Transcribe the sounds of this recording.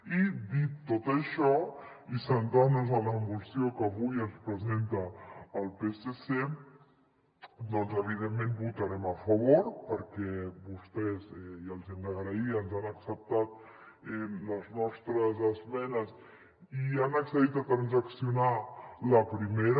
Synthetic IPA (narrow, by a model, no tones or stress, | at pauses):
id̪it̪ːot̪əʃɔ | isənt̪anuzənləmbusiokəːβujənspɾəzent̪əːlˠpesese | d̪ɔnzəβ̞iðemːẽnbut̪əɾɛməfəβoɾpəɾkɛβust̪ɛzɛjəlˠzɛmd̪əɣɾəiənzanəksəp̚t̪at̪̚ | ɛləznɔst̪ɾəzəzmɛnəz | ianəksəðit̪ət̪ɾanzəksiunaləpɾimeɾ